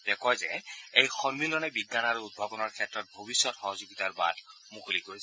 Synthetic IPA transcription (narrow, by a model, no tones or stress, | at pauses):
d̥ɛkʰɔjzɛejxɔɹmilɔnɛbiɡːanaɹuud̚bʱabɔnɔɹkʰɛtɹɔt̚bʱobisːɔtxɔɦɔzoɡitaɹba̰d | mukʰolikoɹis